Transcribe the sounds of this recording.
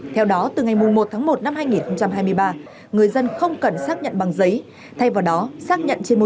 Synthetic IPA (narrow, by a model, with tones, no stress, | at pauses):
t̪ʰɛ˧wɗɔ˨˦t̪ɨ˨˩ŋa˨˩jmu˨˩ŋmo˨˩t̚t̪ʰaː˨˦ŋmo˨˩t̚na˧mhaː˧jŋi˨˩nxə˧wŋ͡mt͡ɕa˧mɦaː˧jmɨ˧əjɓaː˧ | ŋɨ˨˩əjzə˧nxə˧wŋ͡mkə˨˩nsaː˦˥k̚ɲə̰˧˨nɓa˨˩ŋzə˨˦j | t̪ʰa˧jvaː˨˩wɗɔ˨˦saː˦˥k̚ɲə̰˧˨nt͡ɕe˧nmo˨˦